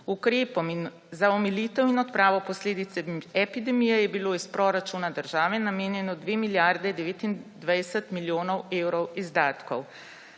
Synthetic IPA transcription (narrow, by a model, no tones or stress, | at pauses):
ukɾeːpɔmin | zaɔmilit̪ɛwinɔt̪pɾaːʋɔpɔsleːd̪it̪sɛɛpid̪ɛmijɛjɛbiloːispɾɔɾat͡ʃuːnad̪əɾʒaːʋɛnameːnjɛnɔd̪ʋeːmiljaɾd̪ɛd̪ɛʋeːt̪ind̪ʋajsət̪miljoːnɔweːwɾɔwizd̪aːt̪kɔw